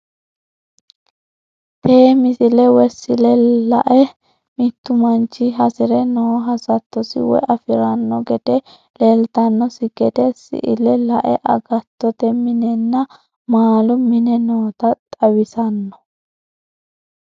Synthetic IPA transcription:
peːmɪsɪlɛwɛsɪlɛlɐ̰ʔɛ | mɪt̪ːʊmɐnt͡ʃːɪɦɐsɪɾɛnɔwɔɦɐsɐt̪ːɔsɪ̰wɔ̰jɐfɪɾɐnːɔɡɛd̪ɛ | lelt̪ɐnːɔsɪɡɛd̪ɛsɪ̰ʔɪ̰lɛlɐʔɛʔɐɡɐt̪ːɔt̪ɛmɪnɛnːɐ | maːlʊmɪnɛnoːt̪ɐt̪ʼɐwɪsɐnːɔ̥

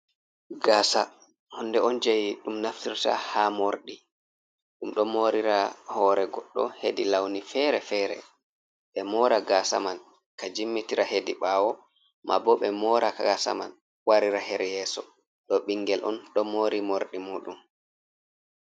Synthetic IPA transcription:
ɡaːsa | hɔndɛɔnd͡ʒajiɗumnaftiɾta̰hamoɾɗi | ɗumɗɔmoɾiɾahɔːɾɛɡɔɗːɔhedilawnifɛɾɛfɛːɾɛ̰ | ɓɛmɔːɾaɡasa̰man | kad͡ʒimːitiɾahediɓaːwɔ | mʔa̰bɔɓɛmɔɾʔakaasa̰ma̰n | waɾiɾahɛɾɛjɛːsɔ | ɗɔɓiŋɡɛlʔɔ̰nɗɔmoɾimoɾɗimuːɗum

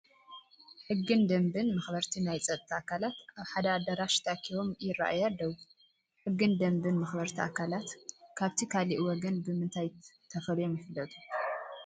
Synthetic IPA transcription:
ħɨɡːɨnd̪ɐmbɨnmɐxbɐɾt̪ʰinajt͡sʼɐt̪ʼt̪ʰːaakʰalat̪ʔaβħad̪aːd̪ɐɾaʃt̪ʰakʰiβo̞mjɪrːa̰ʔajalːɐwu | ħɨɡːɨnd̪ɐmbɨnmɐxbɐɾt̪ʰiʔakʰalat̪kʰaβt̪ʰikʰaliʔwɔɡɐnbɨmɨnt̪ʰajt̪ʰɐfɐlujo̞mjɪfɨlːɐt̪ʼu̥

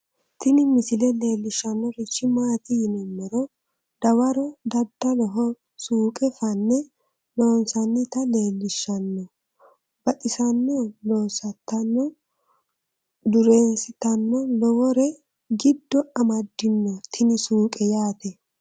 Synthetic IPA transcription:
t̪ɪnɪmɪsɪlɛle̞ːlːɪʃːɐnːɔɾɪt͡ʃːɪmaːt̪ɪjɪnɛmːɛɾɔ | d̪̥ɐwɐɾɔd̪ɐd̪ːɐlɔɦɔ | suːkʼɛfɐnːɛ | loːnsɐnːɪt̪ɐle̞ːlːɪʃːɐnːɔ | b̥ɐt̪ʼɪsɐnːɔloːsɐt̪ːɐnːɔ | d̪ʊɾe̞ːnsɪt̪ɐnːɔlɔwɔɾɛ | ɡɪd̪ːɔɐmɐd̪ːɪnːɔt̪ʰɪnɪsuːkʼɛjaːt̪ɛ

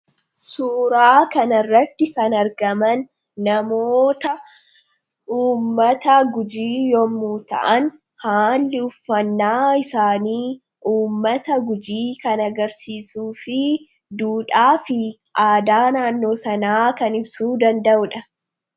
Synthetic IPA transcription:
suːɾaːkɐnɐrːɐt̪ːɪkɐnɐɾɡɐmɐnː | ɐmoːt̪ɐ | uːmːɐt̪ɐɡʊd͡ʒiːjɔmːuːt̪ɐ̰ʔɐn | haːlːɪʊfːɐnːaːɪsaːniː | ʔuːmːɐt̪ɐɡʊd͡ʒiːkɐnɐɡɐɾsiːsuːfɪ | d̪uːᶑaːfɪ | ʔaːd̪aːnaːnːo̞ːsɐnaːkɐnɪbsuːd̪ɐnd̪ɐʔʊᶑɐ

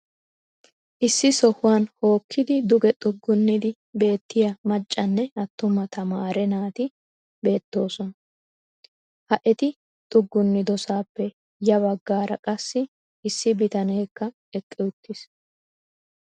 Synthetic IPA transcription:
ʔɪsːɪsɔhʊwanho̞ːkʰːɪd̪ɪd̪ʊɡɛt̪ʼʊɡːʊnːɪd̪ɪ | be̞ːt̪ːɪjɐmɐt͡ʃʼːɐnːɛɐt̪ːʊmɐt̪ʰɐmaːɾɛnaːt̪ɪ | be̞ːt̪ːo̞ːsɔnɐ | hɐʔɛt̪ɪ | t̪ʼʊɡːʊnːɪd̪ɔsaːpːɛ | jɐβɐɡːaːɾɐkʼɐsːɪ | ɪsːɪbɪt̪ɐne̞ːkːɐ | ɛkʼːɛʊt̪ːɪs

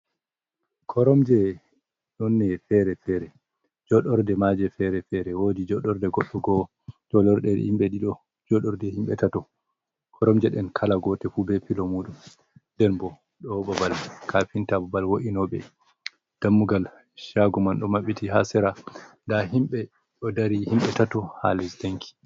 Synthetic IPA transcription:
kʰɔɾɔmd͡ʒɛ | ɗɔnːɛfɛɾɛfɛɾɛ | d͡ʒɔɗɔɾdɛmad͡ʒɛfɛɾɛfɛɾɛwodid͡ʒɔɗɔɾdɛɡɔɗːɔɡɔ | d͡ʒɔlɔɾɗɛɗ̰himɓɛɗiɗɔ | d͡ʒɔɗɔɾdɛhimɓɛtatɔ | kʰɔɾɔmd͡ʒɛɗɛnkʰalaɡɔtɛfubɛpilɔmuɗum | dɛnbɔ | ɗɔbabalkʰapintababalwoʔinɔbɛ̰ | d̥amːuɡal | ʃaɡumanɗɔmaɓitiɦasɛɾandaɦimɓɛ | ɗɔdaɾihimɓɛtatɔha̰lɛsdaŋkʰi̥

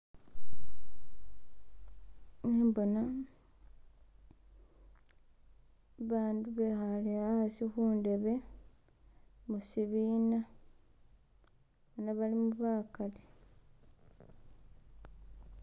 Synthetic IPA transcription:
neːmbo̞na | βaːnduβe̞xaleahasixuːnde̞βe̞ | musiβiːna | βanaβalimuβaːkali

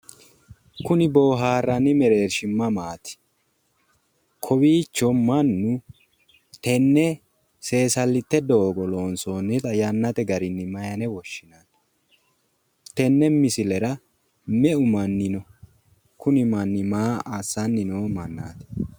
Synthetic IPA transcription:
kʊnɪboːɦaːrːɐnɪmɛɾe̞ːɾʃɪmːɐmaːt̪ɪ̥ | kʰɔbiːt͡ʃːɔmɐnːʊ | t̪ɛnːɛ | se̞ːsɐlːɪt̪ːɛd̪oːɡɔloːnsoːnɪt̪ɐjɐnːɐt̪ɛɡɐɾɪnːɪmɐjɐnɛwɔʃːɪnan | t̪ɛnːɛmɪsɪlɛɾɐ | mɛʊmɐnːɪnɔ | kʊnɪmɐnːɪmaːasːɐnːɪnoːmɐnːa̰ːt̪ɛ̥

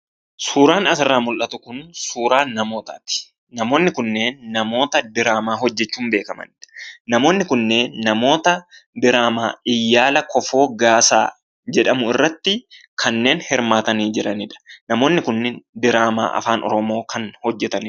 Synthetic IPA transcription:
suːɾaːnɐsɪrːaːmʊlʔɐt̪ʊkʊnsuːɾaːnːɐmo̞ːt̪a̰ːt̪ɪ̥ | nɐmo̞ːnːɪkʊnːeːnːɐmo̞ːt̪ɐd̪ɪɾaːmaːɦɔd͡ʒːɛt͡ʃːuːmbeːkɐmɐ̰nɪᶑɐ̥nɐmo̞ːnːɪkʊnːeːnːɐmo̞ːt̪ɐb̪ɪɾaːma̰ːɪjːaːlɐkɔfo̞ːɡaːsa̰ː | d͡ʒɛᶑɐmʊɪrːɐt̪ːɪkʰɐnːe̞ːnhɪɾmaːt̪ɐniːd͡ʒɪɾɐnɪᶑɐ̥nɐmo̞ːnːɪkʊnːenb̪ɪɾaːma̰ːʔɐ̰faːnɔ̰ɾɔmo̞ːkʰɐnhɔd͡ʒːɛt̪ɐnɪ

